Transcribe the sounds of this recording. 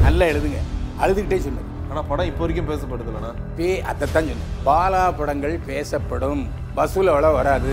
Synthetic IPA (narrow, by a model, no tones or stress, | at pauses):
nɐlːɐɛɽɯðɯŋɡɐɐɻɯðɯkɪʈːeːsɔnːɐ̰ | aːnaːpɐɽɐ̃ɪpːoːʋɐɾɪkʲːʊmpeːsɐpːɐʈɽɯðɯlːɐnaː | peːʔɐ̰t̪ːɐt̪ːãːnt͡ʃɔnːɐpaːlaːpɐɽɐŋɡɐɭpeːsɐpːɐɽɯm | bɐsulɐʋɐɭɐʋɐɾaːðɯ